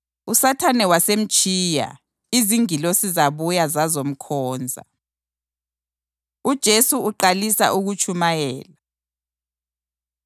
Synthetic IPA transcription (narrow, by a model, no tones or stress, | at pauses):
usatʰanɛwasem̩t͡ʃʼiːja̰ | iziŋilosizaβujazazom̩kʰɔːnd͡zʱa̰ | ud̥ʒ̥ʱesuːǃalisa̰ʔuɣut͡ʃʰʼumajɛːla